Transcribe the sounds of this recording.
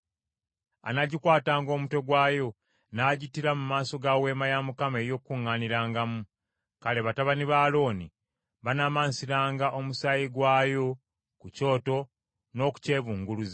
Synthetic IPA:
a̰naɟikwaːtaːŋɡo̞ːmuto̞ɡwaːjo̞ | naːɟitiɾamumaːso̞ɡawe̞ːmajamukame̞ːjo̞ːkːuŋːaːniɾaːŋɡamu | kale̞βataβaniβaːlo̞ːni | βanamansiɾaːŋɡaʔo̞musaːjiɡwaːjo̞ | kuco̞ːto̞ | no̞ːku̥ce̞ːβuːŋɡuluze

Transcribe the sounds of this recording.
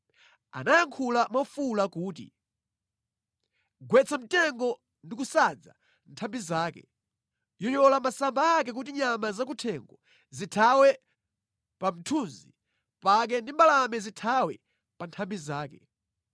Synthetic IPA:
a̰najaŋkʰulamafulakuːt̬ḭ | ɡwɛt͡sʰamitɛŋɡɔ | ndik̬usad͡za̰ | ntʰambizaːkɛ̰ | jɔjɔlamasambaːkɛk̬ut̬iɲamazakutʰɛŋɡɔ | zitʰawɛ | pam̩tʰunzi | pak̬ɛndimbalamɛzitʰawɛ̰ | pantʰambizaːkɛ

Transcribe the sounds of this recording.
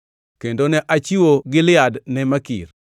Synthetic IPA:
kendonɛʔat͡ʃiwoɡɪlɪadnɛmakḭr

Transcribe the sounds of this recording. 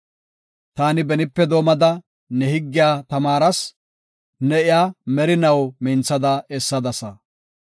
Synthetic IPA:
t̪aːnɪbɛnɪpːɛd̪o̞ːmɐd̪ɐ | nɛhɪɡːɪjaːt̪ɐmaːɾɐs | nɛɪjaːmɛɾɪnɐwmɪnt͡sɐd̪ɐɛsːɐd̪ɐsɐ

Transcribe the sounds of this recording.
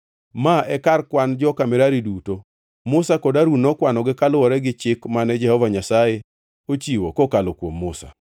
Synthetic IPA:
maʔɛkarkwand͡ʒɔkamɪɾaɾiduto | mʊsakodaɾunɔkwanɔɡɪkalwɔɾɛɡɪt͡ʃɪkmanɛd͡ʒɛhɔvaɲasaje | ot͡ʃiwokokalokwomːʊsa̰

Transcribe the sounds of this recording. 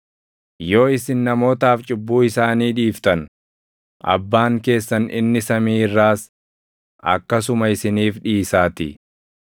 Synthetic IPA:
jo̞ːɪsɪnːɐmo̞ːt̪aːft͡ʃʼɪbːuːɪsaːniːᶑiːft̪ɐn | ʔɐ̰bːaːŋke̞ːsːɐnɪ̰nːɪsɐmiːɪrːaːs | ɐ̰kːɐsʊmɐɪsɪniːfᶑiːsaːt̪ɪ̰

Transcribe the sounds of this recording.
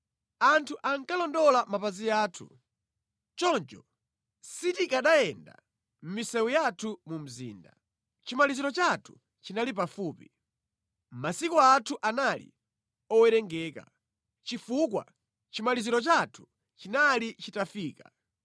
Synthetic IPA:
antʰuʔaŋkalɔndɔlamapazijaːtʰṵ | t͡ʃɔnt͡ʃɔ | sitikaɗajɛnda̰ | m̩misɛwujatʰumum̩zḭːnda̰ | t͡ʃimaliziɾɔt͡ʃatʰu̥ | t͡ʃinalip̬afuːpi | m̩masikɔatʰuʔanalḭ | ɔwɛɾɛŋɡɛːka̰ | t͡ʃifukwa̰ | t͡ʃimaliziɾɔt͡ʃatʰu̥ | t͡ʃinalit͡ʃitafiːka

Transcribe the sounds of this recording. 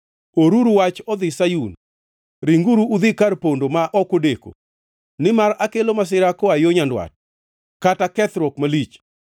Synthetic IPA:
oɾuɾuwat͡ʃɔd̪ɪsajun | ɾiŋɡuɾuːd̪ɪkarpondomaʔɔkodeko̰ | nɪmaɾakelomas̬ɪɾakɔajoɲandwa̰t̚ | katakɛt̪ɾɔkmalit͡ʃ

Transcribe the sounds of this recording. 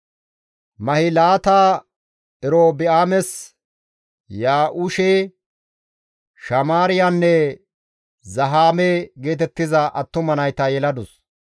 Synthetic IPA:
mɐhɪlaːt̪aː | ɛɾoːbɪaːmɛs | jaːʔʊʃeː | ʃɐmaːɾɪjanːɛ | zɐɦaːmeɡe̞ːt̪ɛt̪ːɪzɐʔɐt̪ːʊmɐnɐjt̪ɐjɛlɐd̪ʊs

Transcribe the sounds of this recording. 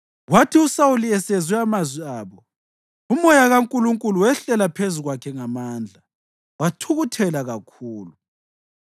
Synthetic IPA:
watʰiusawuliɛsɛzwɛamazwiaːβɔ | umɔjaɣaŋkʼuluŋkʼuluwɛɬɛlapʰezuɣwakʰɛŋamaːnd͡ɮʱa | watʰuɣutʰɛlaɣakʰuːlu

